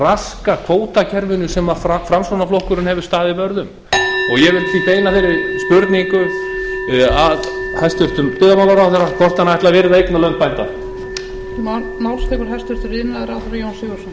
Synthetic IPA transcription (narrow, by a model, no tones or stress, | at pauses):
raskakʰvoːwt̪acʰɛɾvʏnʏsɛmaffɾamsonaflowhkʏɾʏnhɛvɪɾ̥st̪aːðɪpœɾðʏm | ɔɣjɛvɪlθvit̪eːjnafɪɾɪspʏɾt̪niŋkʏ | að | hajst̪ʏɾ̥t̪ʏmt̪ʏːðamawlaɾawθɛnakʰɔr̥t̪anaɛht̪lavɛːɾɪθaejknalœpajnt̪a̰ | na | nawlst̪ɛkʏɾɦajst̪ʏɾ̥t̪ʏɾɪnaðɾaːt̪ɔɾjownsɪɣʏ̥sɔn